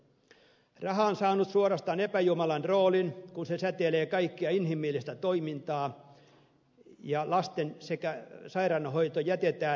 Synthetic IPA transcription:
rɑhɑonsɑːnut̪suoɾɑst̪ɑːnepæjumɑlɑnroːlinkunsesæt̪eleːkɑikːiɑinhimilːist̪æt̪oimint̪ɑː | jɑlɑst̪ensekæsɑirɑnːɑhoit̪ojæt̪et̪æː

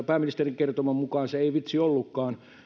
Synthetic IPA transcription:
pæːminist̪eriŋkert̪omɑmmukɑːnseeiʋit̪siolːukːɑːn

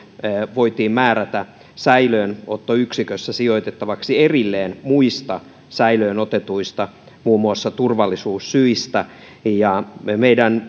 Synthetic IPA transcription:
ʋoit̪iːmmæːræt̪æ | sæiløːnot̪ːoyksikøsːæsioit̪et̪ːɑʋɑksierilːeːnmuist̪ɑ | sæiløːnot̪et̪uist̪ɑ | muːmːuɑsːɑt̪urʋɑlːisuːssyist̪æ | jɑmeidæn

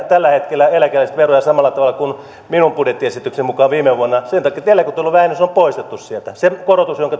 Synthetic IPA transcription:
t̪ælːæhet̪kelːæelækelist̪ʋerojɑsɑmɑlːˑɑt̪ɑʋɑlːˑɑkun | minumpudjet̪ːiesit̪ːˑyksemmukɑːʋiːmeʋuonːɑsent̪ɑkːit̪ielːækot̪ːeolːuʋæhænːysompoist̪et̪ːussielt̪æsekorot̪usjoŋkɑ

